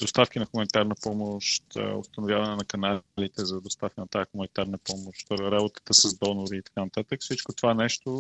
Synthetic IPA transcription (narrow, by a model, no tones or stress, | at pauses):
d̪ost̪afk̟inɐxumɐnit̪aɾnəpɔmoʃt̪o̰st̪ɐnʊvjavɐnɛnɐkɐnalit̪ɛzɐd̪ost̪afkənɐt̪aːxumɐnit̪aɾnəpɔmoʃt̪ɾabot̪ə̥t̪əsɐzd̪ɔnoɾiːt̪ɐ̥kanɐt̪at̪əkfsit͡ʃkot̪ovanɛʃt̪o